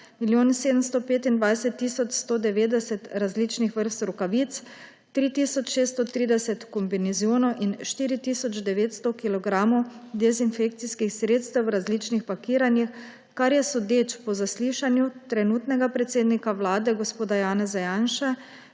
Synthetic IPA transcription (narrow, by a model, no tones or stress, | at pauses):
miljoːnseːd̪əmst̪ɔpeːt̪ind̪ʋajsɛt̪ːisɔt͡ʃst̪ɔd̪ɛʋeːd̪ɛsɛt̪ɾazliːt͡ʃnixʋəɾst̪ɾukaʋit̪s | t̪ɾit̪isɔt͡ʃʃeːst̪ɔt̪ɾiːd̪ɛsɛt̪kɔmbinɛzjoːnɔʔinʃt̪iːɾit̪iːsɔt͡ʃd̪ɛʋeːt̪st̪ɔkilɔɡɾaːmɔd̪ɛzinfek̚t̪siskixsɾeːt̪st̪ɛwɾazlit͡ʃnixpakiːɾanjix | kaɾjɛsɔd̪et͡ʃpɔzasliːʃanjut̪ɾɛnuːt̪nɛɡapɾɛt̪seːd̪nikawlaːd̪ɛɡospoːd̪ajaːnɛzajaːnʃa